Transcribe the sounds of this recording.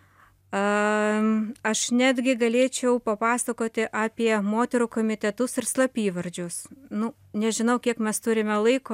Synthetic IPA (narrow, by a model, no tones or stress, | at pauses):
ɐ | ɐʃnʲæːd̪ʲɡʲɪɡɐlʲeːt͡ʃʲɛʊpɐpɑːsɐkoːt̪ʲɪʔɑːpʲiɛmoːt̪ʲɛɾuːkoːmʲɪt̪ʲɛt̪ʊsɪrslˠɐpʲiːʋɐɾʲd͡ʒʲʊsnʊ | nʲɛʒʲɪnɐʊkʲiɛkmʲɛst̪ʊɾʲɪmʲɛlˠɐɪkoː